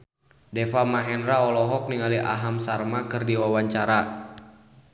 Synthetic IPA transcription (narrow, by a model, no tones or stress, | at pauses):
dɛfamaɦɛnraɔlɔɦɔk̚niŋaliʔa̰ɦamsarmakɨrdiwawaɲt͡ʃaɾa